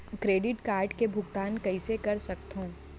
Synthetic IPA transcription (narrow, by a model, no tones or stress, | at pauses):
kɾeːɖɪʈkaːɾɖkebʱʊɡt̪aːnkɐisekɐɾsɐk̚t̪ɦõː